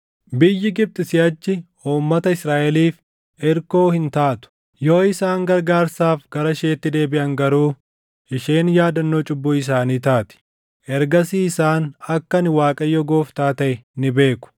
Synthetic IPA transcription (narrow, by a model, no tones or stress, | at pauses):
bɪjːɪɡɪb̚t̪ʼɪsɪɐt͡ʃːɪ | uːmːɐt̪ɐɪsɾaːʔɛliːf | ɛɾko̞ːhɪnt̪aːt̪ʊ̥ | jo̞ːɪsaːŋɡɐɾɡaːɾsaːfɡɐɾɐʃeːt̪ːɪd̪e̞ːbɪʔɐŋɡɐɾuː | ʔɪʃe̞ːnjaːd̪ɐnːoːt͡ʃʼʊbːʊɪs̬aːniːt̪aːt̪ɪ̥ | ʔɛɾɡɐsiːsaːnɐkːɐnɪwaːkʼɐjːɔɡo̞ːft̪aːt̪ɐʔɛnɪbe̞ːkʊ̥